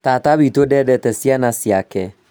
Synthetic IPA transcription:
tataβitodɛdɛtɛsjanasjakɛ

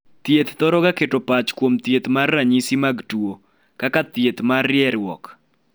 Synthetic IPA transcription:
t̪jet̪t̪ɔɾɔɡaketopat͡ʃkwomt̪jet̪marːaɲisimaɡtwo | kakat̪jet̪marjɛɾwɔ̰k

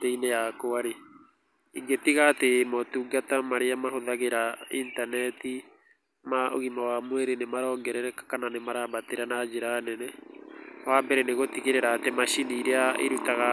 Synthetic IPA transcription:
teinejakoaɾe | iŋɡetiɣatemɔtuɡatamaɾeamaɦoðaɣeɾaintanɛti | mao̰ɣimawamweɾenemaɾɔːŋɡɛɾɛɾɛkḁkananemaɾabateɾanad͡ʒeɾanɛnɛ | wabɛɾɛneɣotiɣeɾeɾaːtɛmaʃiniːɾeaḛɾutaɣa

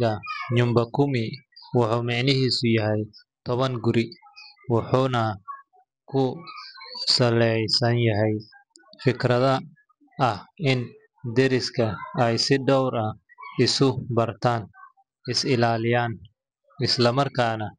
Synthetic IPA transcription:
ɐɲʊmbɐkʰʊmɪwɑħuːmɑʕnɪɦiːsʊjɐɦɛj | t̪ʰɔβɐŋɡʊɾɪwɑħuːnɐ | kʰʊ | sɐlɛjsɐnjɐɦɛjfɪkʰrɐðɐ | ɐhɪn | d̪ɛɾɪskʰɐɛjsɪɖɔwɾɐ | ɪsʊbɐrt̪ʰaːn | ɪsɪlaːlɪjaːn | ɪslɐmɐrkʰaːnɐ

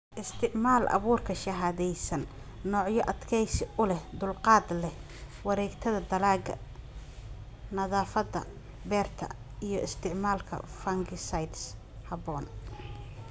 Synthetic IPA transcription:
ʔɪst̪ʰɪʕmaːlʔɐ̰βuːrkʰɐʃɐɦaːðɛjsɐnː | ɔːʕjɔʔɐd̪kʰɛjsɪʊlɛhd̪ʊlqɑːd̪lɛ | wɑɾɛːɡt̪ʰɐðɐd̪ɐlaːɡɐ̰ | nɐðaːfɐd̪ɐ̰ | bɛːrt̪ʰɐ̰ | ijɞʔɪst̪ʰɪʕmaːlkʰɐ̰fɐŋɡɪsɐjd̪s | hɐβɔːn

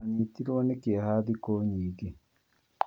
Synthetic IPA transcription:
niːt̪ːiɾonekeahaːd̪ikoːɲiːɡe

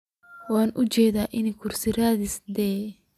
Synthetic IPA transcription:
waːnʔʊt͡ʃɛːðaːʔɪnɪkʰʊɾsɪɾaːðɪsd̪ɛː

